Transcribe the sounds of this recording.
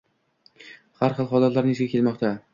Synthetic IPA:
haɾχɨlˠχɒlˠat̪laɾnesʰɪɡakʰʲe̞lmɒqt̪ʰa

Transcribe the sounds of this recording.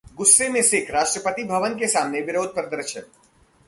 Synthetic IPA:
ɡʊsːemẽsekʰɾaːʃʈɾəpət̪ibʱɐʋənk̬esaːmneʋɪɾoːd̪̚ʱpɾəd̪əɾʃən

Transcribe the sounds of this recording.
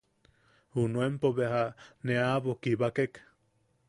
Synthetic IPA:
hunuempoβehaneaβokiβakek

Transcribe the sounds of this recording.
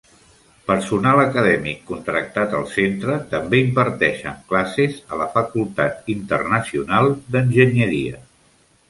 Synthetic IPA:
pəɾsunaləkəðɛmikːunt̪ɾək̚t̪at̪ə̰lˠsent̪ɾət̪əmbeimbəɾt̪ɛʃə̰ŋklasezələfəkulˠt̪at̪int̪ə̰rnəsiunalˠd̪ənʲʒəɲəɾiə̰

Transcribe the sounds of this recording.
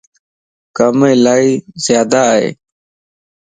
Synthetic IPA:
kəmeːlaːɻiːzjaːd̪aːḛː

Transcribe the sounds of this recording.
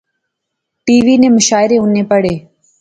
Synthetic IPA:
ʈiːʋiːnẽːmʊʃaːɪɾeːʊnẽːpəɽeː

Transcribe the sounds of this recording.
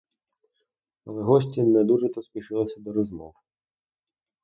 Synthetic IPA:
ɐlˠɛɦɔsʲt͡sʲinɛd̪uʐɛt̪ɔspʲiʂɪlˠɔsʲɐd̪ɔɾɔzmɔ̰w

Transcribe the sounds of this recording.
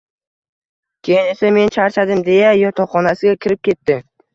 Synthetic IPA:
kʲʰe̞jɪne̞same̞nt͡ʃʰaɾt͡ʃad̪ɪmd̪e̞jajɒt̪ʰɒχɒnasɪɡʲakʲʰɪɾɪp̚kʲʰe̞t̪ːɪ

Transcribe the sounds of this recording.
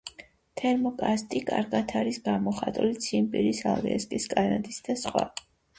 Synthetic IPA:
t̪ʰɛɾmɔkʼast̪ʼikʼa̰ɾɡat̪ʰaɾisɡamɔχat̪ʼulit̪sʰimpʼiɾisa̰lɛ̰ɛ̰skʼiskʼanat̪ʼisd̪asχwa̰

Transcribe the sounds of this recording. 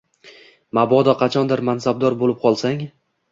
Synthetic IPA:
mabɒd̪ɒqʰɑt͡ʃʰɒnd̪ɪɾmansab̚d̪ɒɾbolɪp̚qʰɒlˠsaŋ

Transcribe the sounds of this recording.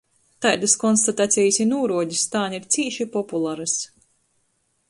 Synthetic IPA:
t̪ajd̪askɔnst̪at̪at̪sʲɛjisʲinuːɾuɔɟist̪aːniɾt̪sʲiːʃipɔpulˠaɾɨs

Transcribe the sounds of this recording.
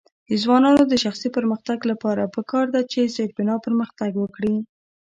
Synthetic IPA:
d̪̥əzwɑnɑnod̪əʃaxsipəɾməxt̪aɡlapɑɾapəkɑɾd̪at͡ʃezeɾbɪnɑpəɾməxt̪aɡwəkɽi

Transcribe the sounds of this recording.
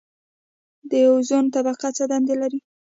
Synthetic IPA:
d̪əjawzont̪abaqat͡sad̪and̪elaɾi

